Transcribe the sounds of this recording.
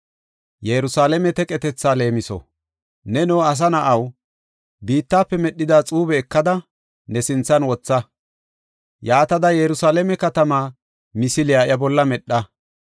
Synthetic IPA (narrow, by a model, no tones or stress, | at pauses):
jɛɾʊsaːlɛmɛt̪ɛkʼɛt̪ɛt͡sːaːle̞ːmɪsɔ̰ | nɛnoːɐs̬ɐnɐʔɐw | biːt̪ːaːpːɛmɛɗːɪd̪aːt͡sʼuːbɛːkːɐd̪ɐ | nɛsɪnt͡sːɐnwɔt͡sːɐ | jaːt̪ɐd̪ɐjɛɾʊsaːlɛmɛkɐt̪ɐmaː | mɪsɪlɪjaːjɐbɔlːɐmɛɗːɐ